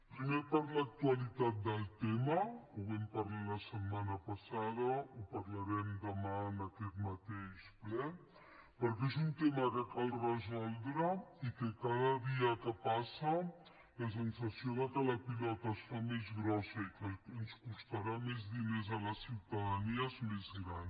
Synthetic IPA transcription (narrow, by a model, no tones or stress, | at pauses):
pɾimepaɾlək̚t̪uəlit̪at̪̚d̪əlˠt̪eməuβɛmpəɾlaləsəmmanəpəsaðəupəɾləɾɛmd̪əmanəkɛt̪mət̪eʃplɛ | pəɾkezunt̪eməkəkalˠrəzɔlˠd̪ɾəikəkaðəðiəkəpasə | ləs̬ənsəsioðəkələpilɔt̪əsfamezɣɾɔsəikənskust̪aɾamezðinezələsiwt̪əðəniəzmezɣɾan